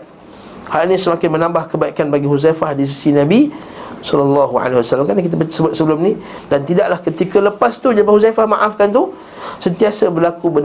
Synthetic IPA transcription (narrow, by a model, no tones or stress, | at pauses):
halinĩsəmakɪnmə̃nãmbahkəbaikanbaɡiɦuzafahdis̬isinãbi | sɔlɔlːaɦua̰lehiwasalːamkanak̬it̪̬apəsəbʊt̪̚səbəlʊmnĩ | dant̪idaʔlahkət̪ikaləpast̪ud͡ʒabahuzafahmaʔafkant̪u | sənt̪iasabərlakubə